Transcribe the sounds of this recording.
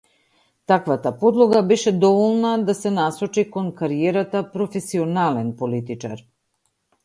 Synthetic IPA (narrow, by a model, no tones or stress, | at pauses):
t̪akvat̪apod̪lˠoɡabɛʃɛd̪ɔvolˠnad̪asɛnasɔt͡ʃikonkaɾiɛɾat̪apɾofɛsionalɛnpolit̪it͡ʃa̰ɾ